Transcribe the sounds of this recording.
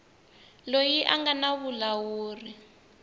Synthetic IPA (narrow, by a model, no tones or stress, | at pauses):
lojiʔaŋɡanaβulawuːri